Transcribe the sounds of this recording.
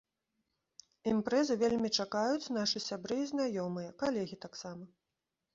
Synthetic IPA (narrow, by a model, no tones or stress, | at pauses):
impɾɛzɨvʲelʲmʲit͡ʂakajut͡sʲnaʂɨsʲabɾɨːznajɔmɨjɐkalʲɛɣʲit̪aksamɐ